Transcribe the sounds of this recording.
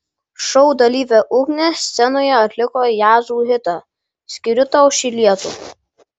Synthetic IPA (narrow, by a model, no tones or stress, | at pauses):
ʃɔʊd̪ɐlʲiːʋʲɛʔʊɡnʲɛsʲsʲɛnoːjɛɐt̪ʲlʲɪkojaːzuːɦɪt̪ɐ | sʲkʲɪɾʲʊt̪ɐʊʃʲiːlʲiɛt̪ṵ